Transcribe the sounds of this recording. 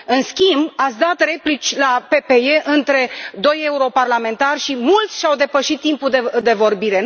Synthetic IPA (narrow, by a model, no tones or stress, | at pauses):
ɨnskʲimbat̪sʲd̪at̪re̞plit͡ʃʲlape̞pe̞e̞ʔɨnt̪ɾe̞d̪o̞je̞uɾo̞parlame̞nt̪arʲʃimult̪sʲʃawd̪e̞pəʃit̪ːimpud̪ed̪e̞vo̞rbiɾe̞